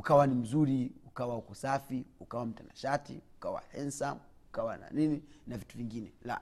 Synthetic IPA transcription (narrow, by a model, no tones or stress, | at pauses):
ukawanim̩zuɾiukawahukɔsafiukawam̩tanaʃatḭukawa̰hɛnsam | ukawana̰nininavituviŋɡinɛla̰